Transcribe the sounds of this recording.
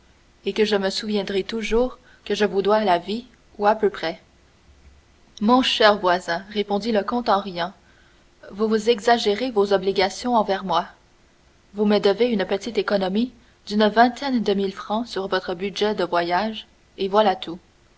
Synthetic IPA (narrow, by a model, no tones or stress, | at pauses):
ekəʒəməsuvjɛ̃d̪ʁit̪uʒuːʁ | kəʒəvud̪walavi | uapøpχɛ | mɔ̃ʃɛʁvwazɛ̃ʁepɔ̃d̪iləkɔ̃t̪ɑ̃ʁijɑ̃ | vuvuzɛɡzaʒeʁevozɔbliɡʲasjɔ̃ɑ̃vɛʁmwa | vuməd̪əveynpət̪it̪ekɔnɔmi | d̪ynvɛ̃t̪ʰɛnd̪əmilfχɑ̃syʁvɔt̪χəbyʒɛd̪əvwajaʒ | evwalat̪ʰu